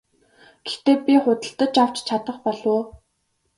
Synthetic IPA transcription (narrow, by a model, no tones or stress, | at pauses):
ɡ̥e̥xt̪eːpʲiχʊt̪ə̆ɬt̪ə̆t͡ɕaw̥t͡ɕt͡ɕʰat̪ə̆χpɔɮʊː